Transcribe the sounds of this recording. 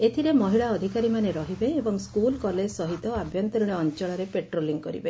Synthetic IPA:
et̪ʰiɾemɔɦiɭaɔd̪ʱikaɾimaneɾɔɦibeːbɔŋskulkɔlesɔɦit̪ɔabʱjɔnt̪ɔɾiɽ̃eɔnt͡ʃɔɭaɾepeʈɾoliŋkɔɾḭbe

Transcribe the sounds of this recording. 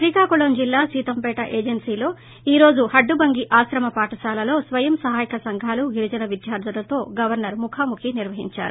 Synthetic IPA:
ʃɾikaːkuɭond͡ʒilːaːsiːt̪ɐmpɛːʈɐʔeːd͡ʒɐnsiːlo̞ː | iːɾo̞ːd͡ʒuhɐɖːubɐŋɡiʔaːsɾɐmɐpaːʈɐʃaːlɐlo̞ːsʋɐjɐmsɐɦaːjikɐsɐŋɡʱaːluɡiɾud͡ʒɐnɐʋid̪jaːɾd̪ʱɐlɐt̪o̞ːɡɐʋɐɾnɐɾmukʰaːmukʰiniɾʋɐɦḭɲt͡ʃa̰ːɾu

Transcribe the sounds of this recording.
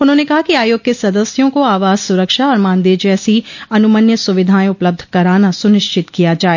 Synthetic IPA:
ʊnɦõnekɐɦakiaːjoːɡ̚kesɐd̪əsjõkoaːʋaːzsʊɾəkʃaɔːɾmãːnd̪eːd͡ʒɛːsiɐnʊmənjəsʊʋɪd̪ʱaːẽʊpləb̚d̪ʱkɐɾaːnasʊnɪʃt͡ʃɪt̪kijad͡ʒaːeː

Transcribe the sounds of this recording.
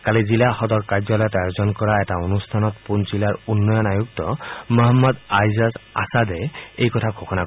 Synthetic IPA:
kalizilahɔd̪ɔɹkaɹd͡ʒɔlɔjɔt̪ajozɔnkɔɹaɛtaonustʰanɔt̪punt͡ʃilaɹunːɔjɔnajuk̚tɔmɔɦɔmːɔd̪ajzasa̰sad̪ɛejkɔtʰakʰɔkʰɔna

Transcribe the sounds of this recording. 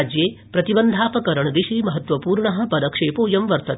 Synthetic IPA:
d͡ʒjeːpɾɐt̪ibɐnd̪ʱaːpɐkɐɾɐɳd̪iʃiːmɐɦɐt̪ʋɐpuːɾɳɐɦɐ̆pɐd̪ɐkʂeːpoːjɐmʋɐɾt̪ɐt̪

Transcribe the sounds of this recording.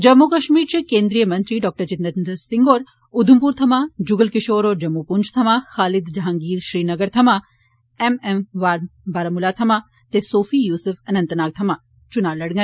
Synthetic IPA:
d͡ʒɐmːukɐʃmiːɾt͡ʃikẽːnd̪ɾijəmɐnt̪ɾiːɖɔːk̚ʈəɾt͡ʃɪt̪nɐɾnd̪ɐɾsɪŋɡoːɾ | ʊd̪ʱumpuːɾt̪ʰɐmãd͡ʒuɡəlkɪʃoːɾoːɾd͡ʒɐmːupund͡ʒʰt̪ʰɐmaxaːlɪd̪d͡ʒɦaːŋɡiːɾʃɾiːnɐɡəɾt̪ʰɐma | ememʋaːɾbaɾɐmulaːt̪ʰɐma | t̪esoːfʰiːjuːsufɐnɐ̃nt̪naːɡ̚t̪ʰɐmaː | t͡ʃunaːlɐɽŋɐ

